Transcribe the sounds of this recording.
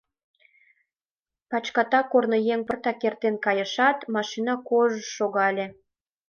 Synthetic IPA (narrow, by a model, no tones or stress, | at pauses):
pɑt͡ɕkɑt̪ɑkornojeŋpərt̪ɑkert̪enkɑjə̆ʃɑt̪mɑʃinɑkoʒəʃoɣɑlʲe